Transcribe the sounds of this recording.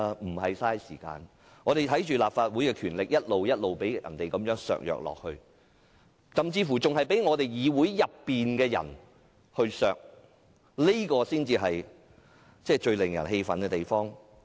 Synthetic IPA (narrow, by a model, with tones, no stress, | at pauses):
m̩˨˩ɦɐ˨jsaː˥jsiː˨˩ka̰ː˧n | ŋɔː˨˧ɾe˨˩jt̪ʰɐ˨˥jt͡ʃyː˨laː˨p̚faː˧t̚wuː˨˥jkɛː˧kʰyː˨˩nlɪ˨k̚jɐ˥t̚lo˨wjɐ˥t̚lo˨wpe˨˥jɐ̰˨˩nt̪e˨jkɐ˨mjœː˨˥ŋsœ̰ː˨k̚jœ̰ː˨k̚lɔ̰ː˨k̚hɵ˧ɥ | sɐ˨mt͡siː˧fuː˨˩t͡sʊ˨ŋhɐ˨˩jpe˨˥jŋɔː˨˧t̪e˨jjiː˨˧wu˨˥jːɐ˨pːiː˨nkɛː˧jɐ̰˨˩n | hɵ˧sœː˨k̚ | li˥kɔː˧siː˥nt͡siː˧ɦɐ˨j | t͡sɛː˥˩t͡ʃɵ˧ɥlɪ˨˩ŋjɐ˨˩nhe˧jfɐ̰˨nkɛ˧t̪e˨jfɔː˥ŋ